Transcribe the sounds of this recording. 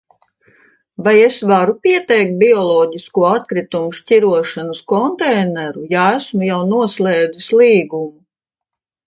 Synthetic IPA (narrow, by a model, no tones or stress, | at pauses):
vajesvaɾupʲiɛt̪ɛjk̚t̪̚biɔlˠɔːɟiskuɔat̪̚kɾit̪umuʃcʲiɾuɔʃanɐskɔnt̪ɛjnɛɾujaæsmujawnuɔslɛːd̪islˠiːɡumu